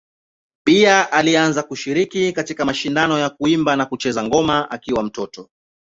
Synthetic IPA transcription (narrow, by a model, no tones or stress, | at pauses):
piaʔalianzakuʃiɾikikatikamaʃindanɔjakuimbanakut͡ʃɛzaŋɡɔmaʔakiwam̩tɔtɔ